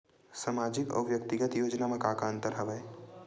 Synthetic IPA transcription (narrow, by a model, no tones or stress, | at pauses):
samaːd͡ʒɪkɔ̰ːʋjək̚t̪ɪɡət̪joːd͡ʒnamɐ̃kaːkaə̃nt̪əɾɦɐʋəe